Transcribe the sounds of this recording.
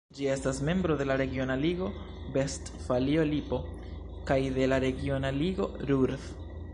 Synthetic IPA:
d͡ʒie̞stasme̞mbɾo̞de̞laɾe̞ɡio̞naliɡo̞ | be̞st | falio̞lipo̞ | kajd̪e̞laɾe̞ɡio̞naliɡo̞̰ɾuɾf

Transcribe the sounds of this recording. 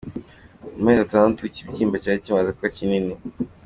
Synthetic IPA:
umezataːnatucibɟiːmbacaːicimazakkacinini

